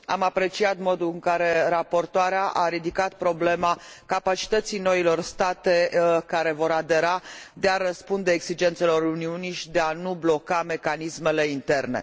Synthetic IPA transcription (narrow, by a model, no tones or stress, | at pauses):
a̰mapɾe̞t͡ʃiat̪mo̞d̪uɨŋkaɾe̞ɾapo̞rt̪oaɾeaʔaɾid̪ikat̪̚pɾo̞ble̞makapat͡ʃi̥t̪ət̪sijno̞ilo̞rst̪at̪e̞kaɾe̞vo̞ɾad̪e̞ɾad̪e̞aɾəspund̪e̞ːɡsid͡ʒe̞nt̪se̞lo̞ɾuniuniʃid̪e̞anublo̞kame̞kanisme̞le̞int̪e̞rne̞̰